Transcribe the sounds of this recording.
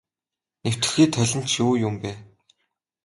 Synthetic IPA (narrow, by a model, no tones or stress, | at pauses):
new̥t̪ɘ̥̆xiːt̪ʰːœɮʲɪ̆n̥t͡ɕjuːjʊmpæː